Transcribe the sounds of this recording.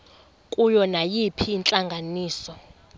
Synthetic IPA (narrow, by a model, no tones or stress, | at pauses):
kʼujɔnajipʰiːnt͡ɬʼaŋɡʱaniːsɔ